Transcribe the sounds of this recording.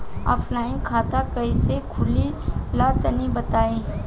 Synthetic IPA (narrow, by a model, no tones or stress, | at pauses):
ɔ̰ːpʰlaːɪnkʰaːt̪akɐisekʰʊlilat̪ənibɐt̪aːẽː